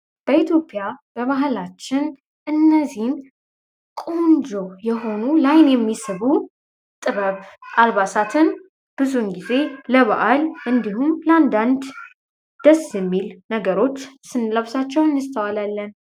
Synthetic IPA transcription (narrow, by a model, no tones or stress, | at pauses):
b̥əit̪ʰjo̞pʼjab̥əβaɦlat͡ʃːɪn | ʔɨnːəzihn | kʼond͡ʒojɛɦo̞nulajnjɛmːisɨβu | t̪ʼɨβəβʔalβasat̪ʰɨn | b̥ɨzunɡize̞ləβaʔalʔɨnd̪ihumləand̪and̪ | d̪̥əsjɛmːilnəɡəɾo̞t͡ʃːsɨnləwsat͡ʃːɛwɨnːɨst̪ʰəwalalːən